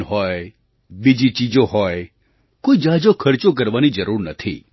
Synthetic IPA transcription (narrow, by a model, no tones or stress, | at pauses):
ɦɔj | bid͡ʒit͡ʃid͡ʒoɦɔe | koid͡ʒad͡ʒokʰəɾt͡ʃok̬əɾʋanid͡ʒəɾuɾnət̪ʰḭ